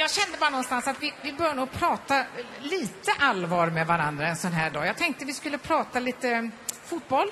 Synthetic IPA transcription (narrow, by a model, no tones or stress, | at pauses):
jɑːɡɕɛnd̪əbɑːɾanɔnst̪ansat̪vɪvɪbœɾjanuːɡpʰɾɑːt̪a | liːt̪əʔalvɑːɾmɛvaɾand̪ɾaɛnsɔnɦæːɖɑːjɑɡt̪ʰɛŋk̚t̪əvɪskɵlːəpʰɾɑːt̪aliːt̪əfut̪̚bɔlː